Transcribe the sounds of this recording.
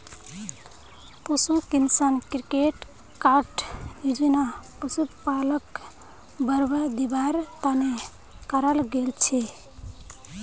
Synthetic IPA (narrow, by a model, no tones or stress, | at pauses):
pusukinsənkɾikeʈ | kaɾʈjud͡ʒinapusut̪palək | bəɾbəd̪ibaɾt̪ane | kəɾəlɡelt͡ʃʰe